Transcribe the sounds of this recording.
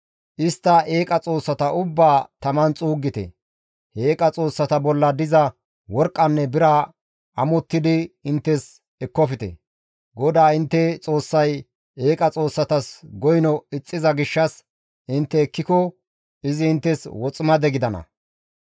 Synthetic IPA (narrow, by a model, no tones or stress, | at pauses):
ʔɪst̪ːɐeːkʼɐt͡sʼo̞ːsːɐt̪ɐʔʊbːaːt̪ɐmɐnt͡sʼuːɡːɪt̪ɛ̰ | he̞ːkʼɐt͡sʼo̞ːsːɐt̪ɐbɔlːɐd̪ɪzɐ | wɔɾkʼːɐnːɛbɪɾɐ | ʔɐmɔt̪ːɪd̪ɪɪnt̪ːɛs | ɛkːɔfɪt̪ɛ̰ | ɡɔd̪aːɪnt̪ːɛt͡sʼo̞ːsːɐj | e̞ːkʼɐt͡sʼo̞ːsːɐt̪ɐsɡɔjnɔɪt͡sʼːɪzɐɡɪʃːɐs | ʔɪnt̪ːɛːkːɪkɔ | ɪzɪːnt̪ːɛswɔt͡sʼɪmɐd̪ɛɡɪd̪ɐnɐ̰